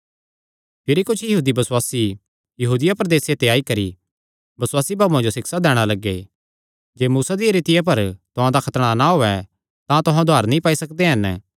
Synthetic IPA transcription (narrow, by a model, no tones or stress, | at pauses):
pʰɪɾikʊt͡ʃʰjɐɦuːd̪ibɐswaːsi | jɐɦuːd̪ɪjapɾɐd̪eːset̪eaːikɐɾḭ | bɐswaːsibaːbũãd͡ʒosɪksad̪ɛːɽ̃alɐɡḛ | d͡ʒeːmuːsad̪iɾɪt̪ɪjap̬ɐɾt̪ʊɦãd̪akʰɐt̪ɽ̃anaɦoːɛ | t̪ãt̪ʊɦãd̪ʱaːɾnĩpaːisɐkd̪eɦɐn